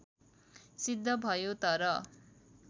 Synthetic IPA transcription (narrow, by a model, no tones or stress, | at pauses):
sid̪ʱːʌbʱʌjot̪ʌɾʌ